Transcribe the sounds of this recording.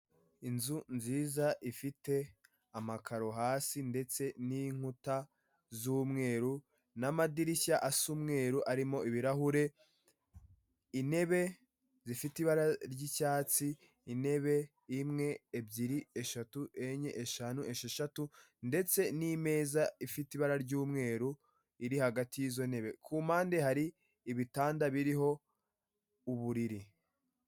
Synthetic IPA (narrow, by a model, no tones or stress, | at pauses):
inzunziːzaʔifite̞ | amakʰaɾo̞ɦaːsinde̞t͡se̞niŋ̥uta | zuːmŋe̞ːɾu | namadiɾiçaʔasuːmŋe̞ːɾuʔaɾimo̞ʔiβiɾaɦuɾe̞ | ine̞βe̞ | zifitiβaɾaɾɟicaːt͡siː | ne̞βe̞ | imŋe̞ːbɟiɾieʃatuʔe̞ɲeʔeʃanuʔe̞ʃeʃatu | nde̞t͡se̞nime̞ːzaifitiβaɾaɾɟuːmŋe̞ːɾu | iɾihaɡatijizo̞ne̞βe̞kʰuːmaːndehaɾiː | βitaːndaβiɾiɦo̞ | uβuɾiɾi